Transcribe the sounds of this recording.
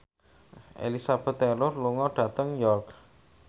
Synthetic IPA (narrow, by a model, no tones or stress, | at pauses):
ʔḛlisab̥ɛ̤t̪ːɛlʊrluŋɔɖ̥ä̤t̪əŋjɔrk